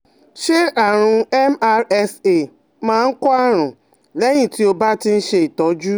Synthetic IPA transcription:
ʃe˦a˨ɾ̃ʊ̃˨˦ɛ˦ma˦ɾɛ˦se˨ | mã˨ŋ̩˦kɔ˦a˦ɾʊ̃˨ | le˦ɲĩ˨ti˨o˨ba˦tɪ˦n̩˦ʃe˨i˨tɔ˨˦d͡ʒu˦

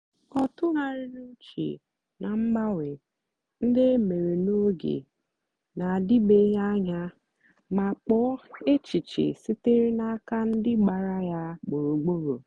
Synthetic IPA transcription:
ɔ˨tʊ˦ɦa˦ɾɪ˦nu˦t͡ʃḭ˨ | na˨ŋ͡m̩˦ɡ͡ba˦we˨ | n̩˦dɪ˦e˦me˨ɾe˨no˦ɡḛ˨ | na˨a˨dɪ˦be˦ja˦ɲa˦ | ma˨k͡pɔ˦e˦t͡ʃi˨t͡ʃḛ˨sɪ˦te˦ɾi˦na˦ka˦n̩˦dɪ˦ɡ͡ba˨ɾa˦ja˦k͡po˨ɾo˨ɡ͡bo˦ɾo̰˨

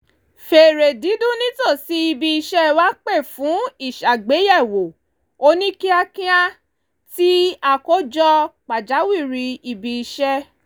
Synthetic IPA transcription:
fe˨ɾe˨di˨˦dũ˦nĩ˦to˦˨si˧˦i˧bi˧i˧ʃɛ˦wa˦k͡pe˦˨fũ˨˦i˦˨ʃa˨ɡ͡be˨˦jɛ˦˨wo˨ | o˧nĩ˦ki˦a˧kĩ˦a˦ | ti˦a˧ko˦d͡ʒɔ˧k͡pa˨d͡ʒa˨˦wi˦˨ɾi˧i˧bi˧i˧ʃɛ˦

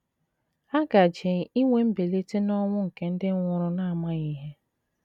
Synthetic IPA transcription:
a˦ɡa˨d͡ʒe˨ŋ˨i˦ŋʷe˦m̩˦be˨le˦te˦nɔ˦ŋʷʊ˦ŋ̩˨ke˦n̩˦dɪ˦ŋʷʊ˦ɾʊ˦na˦a˨ma˦ɣi˦ɦe˦

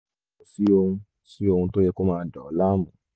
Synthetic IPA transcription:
ũ˨si˦o˧hũ˧ | si˦o˧hũ˧to˦jɛ˦ko˦mãː˦˧˨da˨ɔ˨˦la˦mũ˨˦

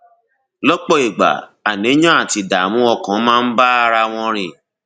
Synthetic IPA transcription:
lɔ˦k͡pɔ˦i˨ɡ͡ba̰˨a˨nĩ˨˦jɔ̃˦a˦˨ti˧da˨mũ˨˦ɔ˧kã˨˦mãː˦˧n̩˦ba˦a˧ɾa˧w̃ɔ̃˧ɾi˨

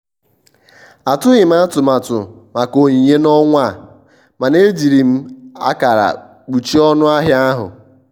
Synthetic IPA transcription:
a˨tʊ˦ɣɪ˨m̩˦a˦tʊ˨ma˨tʊ˨ma˨ko˨ɲi˨ɲe˦nɔ˦ŋʷa˦˨ | ma˨ne˦d͡ʒi˨ɾi˨m̩˦a̰˦ka˨ɾa̰˨ | k͡pu˨t͡ʃi˦ɔ˦nʊ˦a˦ɦja˦ɦʊ̰˨

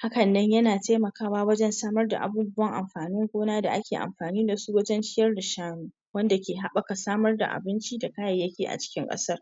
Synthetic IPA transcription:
ha˦kɐ˨nːɐ˦ɲjɐ˦naː˨ta˦jmɐ˨kaː˦waː˦wɐ˦d͡ʒɛ˦nsaː˦mɐ˦rda̰˨ʔa̰˨buː˦bʊ˦wɐ˦ŋʔa̰˨mɸaː˨nɪ˦ŋkʷoː˦naː˦da̰˨ʔa˦kʲeː˨ʔa̰˨mɸaː˨niː˦da˨su˦wɐ˦d͡ʒɐ˦nt͡ʃɪ˦jɐ˦rda˨ʃaː˦muː˨ | wɐ˦nda˨kʲeː˨ɦa˦ɓɐ˦ka˨saː˦mɐ˦rda̰˨ʔa̰˨bɪ˦nt͡ʃi˦da˨kaː˦jɐ˨jːɐ˦kʲiː˨ʔa̰˨t͡ʃɪ̥˦kʲɪ˦ŋkʼɐ̰˦sɐ˦r

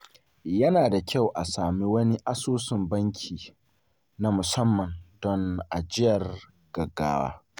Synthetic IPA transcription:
jɐ˦naː˨da˨kʲa˦˨wʔa˨saː˨mi˦wɐ˦ni˦ʔa˦soː˦sɪ˨mbɐ˦ŋkʲʰiː˨ | na˦mʊ˨sɐ˦mːɐ˨ndɔ˦ŋʔa˨d͡ʒɪ˦jɐ˨r | ɡ̥ɐ˨ɡːa̰ː˦wa̰ː˦

